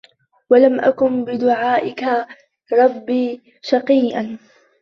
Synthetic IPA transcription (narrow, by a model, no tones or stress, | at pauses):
walamʔa̰kʊnbɪd̪ʊʕaːʔɪka | ɾˤɑbːiː | ʃɑqiːʔan